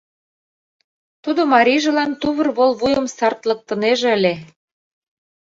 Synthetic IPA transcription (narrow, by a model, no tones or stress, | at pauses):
t̪ud̪omɑɾʲiʒĕlɑnt̪uβɤ̆rβolβujəmsɑrt̪lɤ̆k̚t̪ə̆neʒeəlʲe